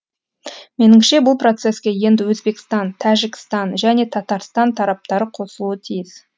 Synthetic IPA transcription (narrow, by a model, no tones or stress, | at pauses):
me̞nɪmʃe̞bʊlˠpro̞t̪se̞skʲe̞je̞nd̪ɪwɵzbe̞kʲɪ̥st̪ɑnt̪ʰæʒɪkʲɪ̥st̪ɑnʒæne̞t̪ʰɑt̪ɑɾst̪ɑnt̪ʰɑɾɑp̚t̪ɑɾəqʰo̞səlˠuət̪ʰijɪs